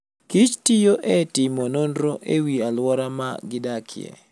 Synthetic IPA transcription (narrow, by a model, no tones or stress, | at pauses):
kit͡ʃtijoʔɛtɪmonondɾoʔewialwɔɾama̰ɡɪdakʰɪ̰ɛ̰